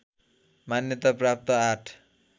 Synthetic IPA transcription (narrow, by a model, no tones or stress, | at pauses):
manjʌt̪aprap̚t̪ʌaʈʰ